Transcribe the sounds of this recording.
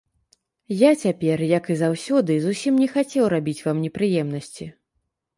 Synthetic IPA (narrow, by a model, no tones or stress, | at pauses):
jat͡sʲapʲɛrjɐkɨzawsʲɔd̪ɨzusʲimnʲɛxat͡sʲɛwɾabʲit͡sʲvamnʲɛpɾɨjɛmnɐsʲt͡sʲi